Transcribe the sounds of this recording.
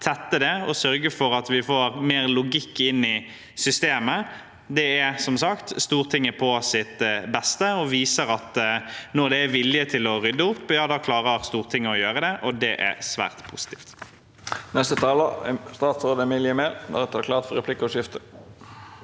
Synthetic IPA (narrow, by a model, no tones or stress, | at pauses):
t̪ʰɛt̪ːəd̪ɛɔsœɾɡəfɔɾɑt̪ʋɪfoːɾmeːɾlʊɡɪkːɪnːɪ | sʏst̪eːmə | d̪ɛæɾsɔmsɑkt̪st̪uːʁt̪ʰɪŋːəpʰɔsɪt̪bɛst̪əɔʋiːsəɾɑt̪nɔʁd̪ɛæɾʋɪlːɪət̪ʰɪlɔʁʏd̪ːəʊpːjɑːd̪ɑːkʰlɑːʁəɾst̪uːʁt̪ʰɪŋːɔjøːɾəd̪ɛʔɔd̪ɛʔæ̰sʋæ̰ːʁt̪pʰʊsɪ̥t̪ʰiːft̪ | nɛst̪ət̪ʰɑːləst̪ɑːt̪sʁoːd̪ɛmɪljəmeːld̪æ̰ɾɛt̪ʰɑɾklɑːʁt̪fɔɾɛpʰlɪkːəɔʂɪft̪ə̥